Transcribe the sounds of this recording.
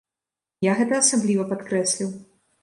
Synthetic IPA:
jaɣɛt̪ɐːsablʲivɐpat̪kɾɛsʲlʲiw

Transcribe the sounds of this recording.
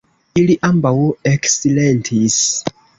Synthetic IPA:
iliʔambaweksilentʰis

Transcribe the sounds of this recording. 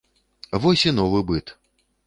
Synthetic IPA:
vɔsʲinɔvɨbɨt̪

